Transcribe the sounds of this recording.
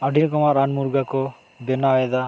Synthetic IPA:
aɖʱiɾkɔmaʔɾanmuɾɡakɔ | bɛnaɔɛd̪a

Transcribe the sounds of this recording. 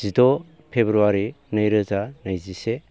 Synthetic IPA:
z̥idɔ | pʰebɾuaɾi | nɐjɾəzanɐjzise

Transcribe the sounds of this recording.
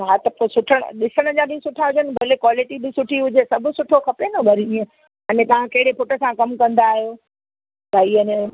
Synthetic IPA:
ɦaːt̪ɐposʊʈʰəɽ̰̃ɗɪsəɽ̃əd͡ʑaɗĩsʊʈʰaɦʊd͡ʑənɪ̆bʱɐːlekwaːlɪʈibɪsʊʈʰiɦʊd͡ʑesɐbʱʊsʊʈʰokʰɐpenɐbɐɾiə̃ | ɐnẽt̪ɐʋ̤ãkɐɦɪɽepʊʈə̆sãkɐmkɐ̃nd̪aːɦijoː | t̪ɐiːənẽ

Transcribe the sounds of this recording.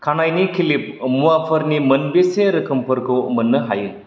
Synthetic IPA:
kʰanajnikʰilip̚muapʰəɾnimənbeseɾəkʰəmpʰəɾkumənːɯɦajɯ

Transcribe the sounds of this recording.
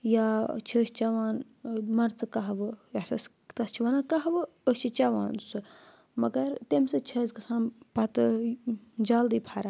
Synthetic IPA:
jaːt͡ʃʰəːʃt͡ʃɐʋaːn | mɐɾt͡sɨkɐɦɐʋɨjɐsɐs | t̪ɐst͡ʃʰiʋɐnaːkɐɦɐʋɨ | ət͡ʃʰit͡ʃɐʋã̰ːnsɨ | mɐɡɐɾt̪emsɨt͡ʃʰɐzkɐsʰãːnpɐt̪ɨ | d͡ʒaːld̪iːpʰaɾa

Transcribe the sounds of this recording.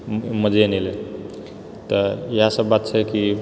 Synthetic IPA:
məd͡ʒenelel | t̪əjəɦasəbːat̪̚t͡ʃʰɛki

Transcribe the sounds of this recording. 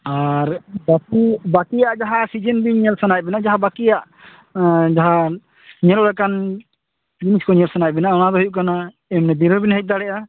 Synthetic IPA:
aɾbakibakijaʔd͡ʒaɦasid͡ʒɛnbiɲɛlsanajbɛnaʔd͡ʒaɦabakijaʔ | d͡ʒaɦa | ɲɛlɔɾɛkan | d͡ʒiniskɔɲɛlsanajbɛnaʔɔñad̪ɔɦujuʔkana | ɛmnɛd̪iɾɔbinɦɛc̚d̪aɽɛʔa

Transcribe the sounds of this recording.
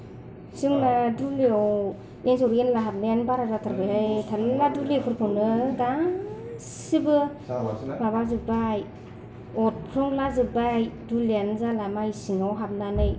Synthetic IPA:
sɯŋnaduleɔw | nenzowɾenlaɦap̚najanbaɾazatʰaɾbalajtʰalladulekʰɯɾpʰɯwnɯɡa | sibɯ | mabazɯbaj | ɔt̚kʰɾɯŋlazɯbajduleanzalamajsiŋawɦap̚nanɯj

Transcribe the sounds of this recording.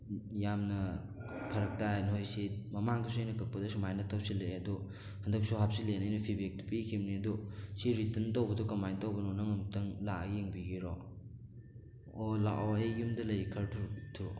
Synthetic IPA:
jamnɐ | pʰɐɾɐk̚tajnɦojsimɐmaŋɡisojnɐkʰɐk̚pɐdɐsumajnɐtʰːɐwsilɐjɐdu | hɐndɐk̚suɦap̚silenajnɐpʰibek̚tpikʰimniɐdusiɾitɐntowbɐdɔkɐmajntɐwbɐnonɐŋɐmtɐŋlajeŋbiɡiɾɔ | ola̰ʔoejumdɐlɐjkʰɐɾtʰuɾtʰu

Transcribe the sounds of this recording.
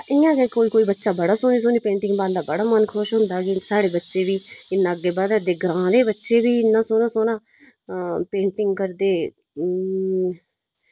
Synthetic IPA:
ɪãːɡekoːiːkoːiːbətːʃaːbəɽaːsoːniːsoːniːpẽːɳʈɪ̃ŋɡbãːnd̪aːbəɽaːmənkʰʊʃɦʊ̃nd̪aːɡesaːɽeːbətːʃeːʋiːɪnːãːəɡeːbaːd̪əd̪eːɡɾãːɾeːbətːʃeːʋiːɪnːãːsoːnaːsoːnãː | pẽːɳʈɪŋɡkəɾd̪eː

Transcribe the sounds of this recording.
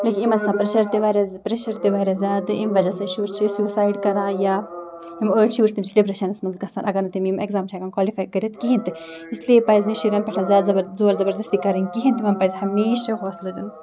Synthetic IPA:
lekinimɐnsãpɾeʃɐɾt̪iʋaːɾɐzpɾeʃɐɾt̪iʋaːɾʲɐzjaːd̪ɨʔimʋɐd͡ʒɐsaʃuːɾt͡ʃʰisuːsaːjɖkɐɾãːja | imoʃʰuːɾst̪imt͡ʃʰiɖibɾɐʃɐnɐsmɐnzɡɐsanʔɐɡɐɾnɐt̪imimekzaːmt͡ʃʰiaɡankwɔːlifaːjkɐɾʲet̪kiɦint̪ɨ | islepajzniʃiɾʲɐnpɐʈʰazʲaːd̪zɐbɐzoːɾzɐbɐɾd̪ɐst̪ikɐɾɐŋkiɦint̪imɐnpajzhɐmeːʃɐɦɔːslɐd̪un

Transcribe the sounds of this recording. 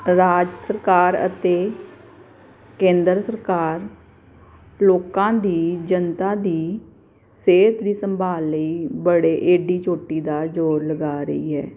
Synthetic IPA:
ɾaːd͡ʒsəɾkaːɾə̰t̪eː | kẽːnd̪əɾsəɾkaːɾ | loːkãːd̪iːd͡ʒənt̪ãːd̪iː | seːt̪d̪iːsəmbʱaːlːəiːbəɽeːʔeːɖiːt͡ʃoːʈːiːd̪aːd͡ʒoːɾləɡaːɾə̰ḭːɦɛ̰ː

